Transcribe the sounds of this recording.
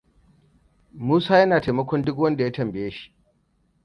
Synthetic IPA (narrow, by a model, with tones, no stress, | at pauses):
muː˦saː˦jɐ˦naː˨ta˨jmɐ˦kʷɔ˦ndʊ˦k̬wɐ˦nda˨ja˦tɐ˨mbɪ˨jeː˦ʃi̥˦ʔ